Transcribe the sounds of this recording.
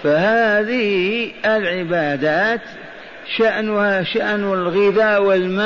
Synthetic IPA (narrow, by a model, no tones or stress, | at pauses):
fahaːðɪhɪlʕɪbaːd̪aːt̪ | ʃaʔnʊhaʃaʔnɪlɣɪðaːwɪlma